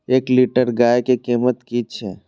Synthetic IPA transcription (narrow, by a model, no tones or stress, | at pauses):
eːkliːʈəɾɡaːjkikiːmət̪kit͡ʃʰɛː